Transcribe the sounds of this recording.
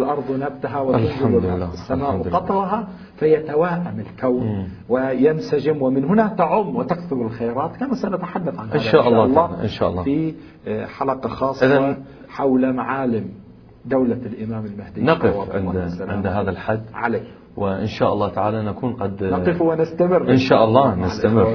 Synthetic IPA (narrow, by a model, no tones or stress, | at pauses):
lʔɑɾˤðˤnab̚t̪aɦawɪalːaːasːamaːʔwqɑt̪ˤɾˤɦa | fajat̪awaːʔamɪlkawn | wɪjɪnsad͡ʒɪmwɪmɪnɦʊnat̪aʕʊmːwɪt̪akθʊɾɪlxajɾɑːt̪kamaːsanat̪aħad̪ːaθʕanhɪanðʃaːʔɑlˤːɑlːɑːʔɪ̰nʃa̰ːʔɑlːɑfi | ħalaqɑxɑːsˤʔɪːðaɑ | ħawlamaʕaːlɪm | d̪awlalʔɪmaːmɪlmahd̪iːnɑqɨfwɑʕɪ̰nːaʕɪ̰nd̪ɦaːðalħad̪ːʕa̰laː | wɪʔɪ̰nʃaːʔɑlˤːɑːt̪aʕaːlanakuːnqɑd̪nɑqɨfwɪnɪst̪amɪrːʔɪnʃaːʔɑlˤːɑːnɪstt̪amɪrː